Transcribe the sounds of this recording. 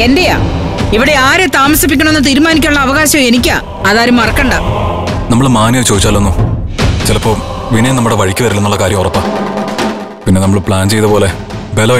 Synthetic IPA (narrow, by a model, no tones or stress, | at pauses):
e̞nde̞ja̰ː | iʋiɽe̞aːɾet̪aːmɐsip̬ːik̬ʲːɐɳɐenːɨt̪̬iːɾumaːnik̬ʲːaːɭːɐːʋɐɣaːɕɐe̞nik̬ʲːaː | ɐðaːɾumɐrɐkːɐɳɖɐ | nɐmːɐɭmaːnjɐʋt͡ɕoːðit͡ɕːaːlːunːut͡ɕilɐpːo̞ː | ʋinɐjnɐmːuɽe̞ʋɐɻikʲːuʋɐɾilːenuɭːɐkaːɾjɐmurɐpːɐ | pinːe̞nɐmːɐɭpɭaːnt͡ɕe̞jt̪ɐpo̞ːle̞ | belo